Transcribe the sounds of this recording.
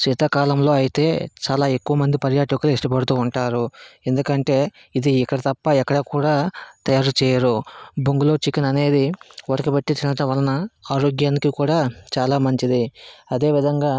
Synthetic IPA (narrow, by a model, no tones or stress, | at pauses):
t͡ʃiːt̪ɐkaːlɐmlo̞ːɐjit̪e̞ːt͡ʃaːlaːe̞kːuʋɐmɐnd̪ipɐɾjaːʈɐkuluiʂʈɐpɐɽut̪uːɳʈaːɾue̞nd̪ukɐɳʈe̞ː | id̪iːkːɐɽɐt̪ɐpːɐɛkːɐɽɐkuːɽaːt̪ɐjaːɾut͡ʃɛːjɐɾubuŋɡulo̞ːt͡ʃikːinɐne̞ːd̪iʋɔɽɐkɐbɐʈːit͡ʃinɐʈɐʋɐlɐnɐaːɾo̞ːɡjaːnikikuːɽaːt͡ʃaːlaːmɐɲt͡ʃid̪iɐd̪e̞ːʋid̪ʱɐŋɡaː